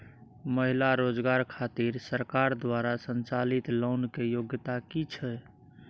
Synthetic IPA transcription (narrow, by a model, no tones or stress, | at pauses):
məɦilaɾod͡ʒɡaɾkʰat̪iɾsəɾkaɾd̪waɾasənt͡ʃalit̪lownkejoɡt̪akit͡ʃʰɛ